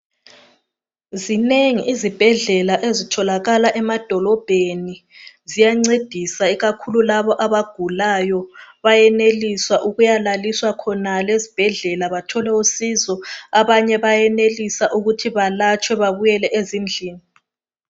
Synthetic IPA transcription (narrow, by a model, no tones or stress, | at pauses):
zineŋiʔizib̥ʱɛɮɛlaʔezitʰɔlaɣalaʔɛmad̥ʱɔlɔb̥ʱenizijaŋ͡ǀed̥ʱisaiɣakʰululaβɔʔaβaɡ̥ʱulajɔβajɛneliswaʔuɣujalaliswakʰɔnalezib̥ʱɛɮɛlaβatʰɔlɛusizɔaβaɲɛβajɛnelisaʔuɣutʰiβalat͡ʃʰʼwɛβaβujɛlɛʔezind͡ɮʱiːni